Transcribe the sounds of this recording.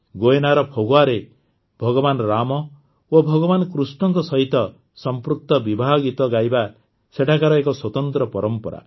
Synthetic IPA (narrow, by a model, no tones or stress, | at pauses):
ɡoenaɾɔpʰoɡoaɾe | bʱɔɡɔbanɾamɔ | obʱɔɡɔbanɔkɾusɳɔŋkɔsɔɦit̪ɔ | sɔmpɾuk̚t̪ɔbibʱaɦɔɡit̪ɔɡajba | seʈʰakaɾɔekɔswɔt̪ɔnt̪ɾɔpɔɾɔmpɔɾa̰